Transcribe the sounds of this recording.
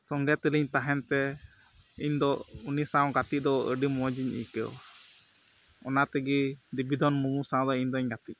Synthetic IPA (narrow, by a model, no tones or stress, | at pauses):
sɔŋɡɛt̪əliɲt̪aɦɛnt̪ɛ | iɲd̪ɔunisãw̃ɡat̪id̪ɔʔəɖimɔd͡ʒiɲḭkə̰wa | ɔ̰nat̪ɛɡid̪ibid̪ɔnmuɡusãw̃d̪ɔiɲd̪ɔiɲɡat̪i